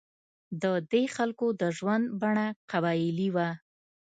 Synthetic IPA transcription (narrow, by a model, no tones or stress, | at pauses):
d̪əd̪exalkod̪əʒwand̪baɳaqabɑjɪliwa